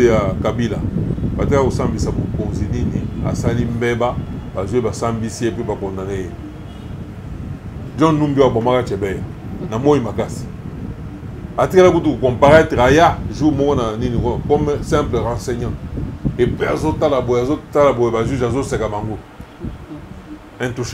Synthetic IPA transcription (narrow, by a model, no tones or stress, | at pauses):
jakabila̰batikakosambisabokonzininia̰salimbɛbabazebasambisiepebakɔndaneje | d͡ʒɔ̃numbioabomakat͡ʃɛbɛjanamojimakasi̥ | atikalakut̬ukukɔ̃mpaʁɛteajaʒumɔkɔnaninikɔkɔmɛsɛ̃mpleʁãsɛɲãepiazotalaboazotalaboebaʒyzazosɛkabaŋɡo | ɛ̃ntuʃ